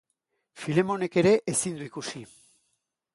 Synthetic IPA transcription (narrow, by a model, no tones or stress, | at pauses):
file̞mo̞ne̞ke̞ɾe̞ʔesind̪uikusi